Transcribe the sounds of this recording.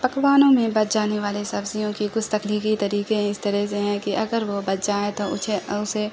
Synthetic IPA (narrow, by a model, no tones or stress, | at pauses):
pɐkʋaːnõmẽbɐt̪̚d͡ʒaːneʋaːlesɐbzijõkikʊt͡ʃʰt̪ɐkliːkit̪ɐɾiːkẽɪst̪ɐɾɛɦseɦɛ̃kiʔɐɡəɾʋobɐt̪̚d͡ʒaːet̪oʊt͡ʃʰeʊse